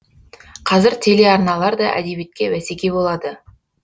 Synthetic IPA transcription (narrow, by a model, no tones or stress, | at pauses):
qʰɑzɪɾt̪ʰe̞le̞ɑɾnɑlˠɑɾd̪ɑʔæ̰d̪e̞bijet̪̚kʲe̞wæse̞kʲebo̞lˠɑd̪ə